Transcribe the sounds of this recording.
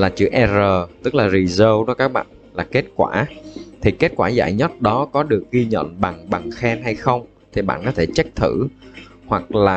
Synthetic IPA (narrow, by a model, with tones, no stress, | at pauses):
laː˨˩t͡ɕɨ̰˧˩ʔɛ˧zəː˨˩t̪ɨ˦˥k̚laː˨˩zi˨˩zəː˧wɗɔ˨˦kaː˦˥k̚ɓa̰ː˧˨nlaː˨˩ke˦˥t̚kwa̰ː˧˩t̪ʰi˨˩ke˦˥t̚kwaː˧˩za̰ː˧˩jɲə˦˥t̚ɗɔ˨˦kɔ˨˦ɗɨ˨˩ək̚ɣi˧ɲə̰˧˨nɓa˨˩ŋɓa˨˩ŋxɛ˧nɦa˧jxə˧wŋ͡m | t̪ʰi˨˩ɓa̰ː˧˨nkɔ˨˦t̪ʰe˧˩t͡ɕa˦˥k̚t̪ʰɨ̰˧˩ | hwa˨˩k̚laː˨˩